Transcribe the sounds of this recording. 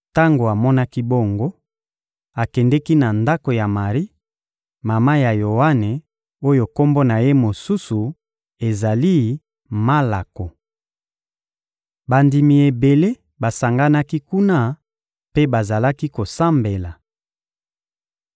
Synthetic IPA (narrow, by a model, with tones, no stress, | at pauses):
ta˦ŋɡo˨a˨mɔ˦na˦ki˦bo˦˨ŋɡo˦ | a˨kɛ˨ndɛ˦ki˦na˨nda˦ko˨ja˨ma˨ʁi˦ | ma˨ma˦ja˨jo˨wa˦ne˨ | o˦jo˨ko˦mbo˦na˨je˦mo˨su˦su˨ | e˨za˨li˦ | ma˦la˨ko˨ | ba˨ndi˨mi˨e˨be˨le˦ | ba˨sa˨ŋɡa˦na˦ki˦ku˦na˦ | pe˦ba˨za˨la˦ki˦ko˨sa˦mbe˨la˨